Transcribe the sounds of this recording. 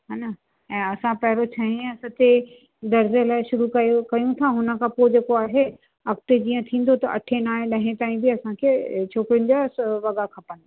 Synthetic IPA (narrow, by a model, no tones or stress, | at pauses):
ɦaːna | ɛ̃ːɐsãpɐɦɪɾot͡ɕʰɐɦĩɐsɐt̪e | d̪ɐɾzlaːɪʃʊɾukɐjokɐjũt̪ʰaɦʊnə̆kʰãpoːd͡ʑeːkoaːɦe | ɐk̚t̪ed͡ʑiːə̃t̪ʰĩːn̆d̪ot̪ɐʔɐ̰ʈʰenaːẽɗɐɦẽt̪aːĩbɪɐsãkʰeːt͡ɕʰoːkɾɪʊnɪ̆d͡ʑasʋɐɡakʰɐpənɪ̆